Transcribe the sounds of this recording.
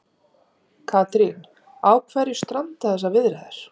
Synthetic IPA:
kʰaːt̪ɾin | aːwkʰvɛːɾjɪst̪ɾant̪aθɛs̬avɪðɾɛðɪɾ̥

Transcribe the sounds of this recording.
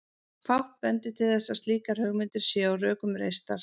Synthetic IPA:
fawht̪̚pɛnt̪ɪt̪ʰɪlθɛsːast̪liːkaɾ̥hœɣmɪnt̪ɪɾ̥sjɛawrœːkʏmɾḛjst̪aɾ̥

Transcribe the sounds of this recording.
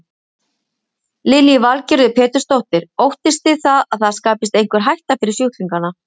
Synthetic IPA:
lɪljɪvalcɛɾðʏpʰɛːt̪ʏ̥ɾst̪owht̪ɪɾ̥owht̪ɪst̪ɪðθaðaðθaðskaːpɪst̪ejŋ̥kvɪɾ̥ɦajht̪afɪɾɪɾ̥sjowht̪liŋkana

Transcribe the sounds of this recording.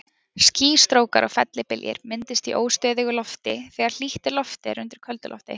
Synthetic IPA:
sciːst̪ɾoːwkaɾʔɔɣfɛt̪lɪpɪljɪ̰ɾmɪnt̪ɪst̪iʔoːwst̪œːðɪɣʏlɔft̪ɪθɛːɣaɾ̥l̥iht̪ɪlɔft̪ɪɾʏnt̪ɪɾ̥kʰœlt̪ʏlɔ̰ft̪ɪ̰

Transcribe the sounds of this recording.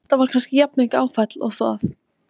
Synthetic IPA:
t̪avaɾ̥kʰanscɪjap̚nɪŋkaːwfɛt̪lɔ̰ɣθɔ̰θ

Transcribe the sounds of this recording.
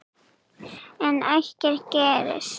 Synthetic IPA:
ɛnajhcɛɾ̥cɛːɾɪ̰s

